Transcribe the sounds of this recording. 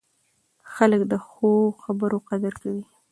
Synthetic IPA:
xaləkd̪əxoxabəɾoqad̪aɾkawi

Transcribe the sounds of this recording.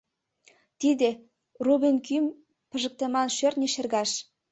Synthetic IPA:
t̪id̪e | rubinkym | pə̆ʒə̆k̚t̪ə̆mɑnʃørnʲĕʃerɣɑʃ

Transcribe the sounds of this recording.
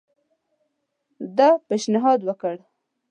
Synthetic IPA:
d̪ɑpeʃnɪɦɑd̪wəkəɽ

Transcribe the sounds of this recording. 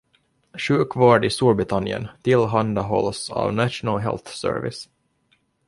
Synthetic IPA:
ɕʉ̟ːkvɑːɖɪst̪uːɾbɾɪt̪ʰanɪə̰nt̪ʰɪlɦand̪aɦɔlːsɑ̰ːvnaʃʊnalɦɛ̰lθsœ̰ːɾvɪ̰s

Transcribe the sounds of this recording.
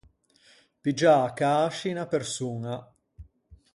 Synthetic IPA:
pid͡ʒakaːʃinapersuːŋa

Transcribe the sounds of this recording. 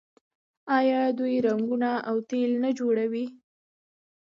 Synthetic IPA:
ɑjɑd̪ujɾaŋɡunaawt̪elnad͡ʒoɽawi

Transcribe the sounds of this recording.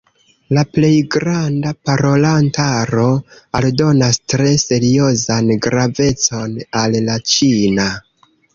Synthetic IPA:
laple̞jɡɾandapaɾo̞lantaɾo̞aldo̞nastɾe̞se̞ɾio̞zanɡɾave̞t͡so̞nalːat͡ʃina

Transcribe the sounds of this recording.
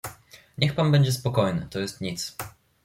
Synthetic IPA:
ɲɛxpanbɛɲd͡ʑɛspɔkɔjnɘ̰t̪ɔjɛst̪ɲit̪s

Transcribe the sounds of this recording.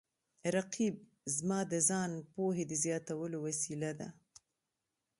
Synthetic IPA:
ɾaqʰib̚ | zmɑd̪əzɑnpoɦed̪əzjɑt̪awəlowasilad̪a̰

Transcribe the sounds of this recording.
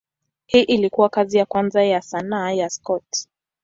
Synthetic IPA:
hiːʔilikuwakazijakwanzajasanaːjaskɔt

